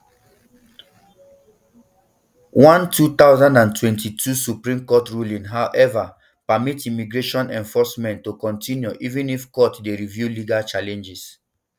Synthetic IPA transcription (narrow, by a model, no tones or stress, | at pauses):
wãntʰut̪aʊzãndãntʰwɛ̃ntitʰusupɹĩmkɔtɹulĩŋɦaʔɛva | pamitimiɡɹeʃɔ̃nɛ̃nfɔsmɛ̃ntːokɔ̃ntĩnjuʔivĩnifkɔtdeɹivjuliɡalt͡ʃalɛ̃nd͡ʒis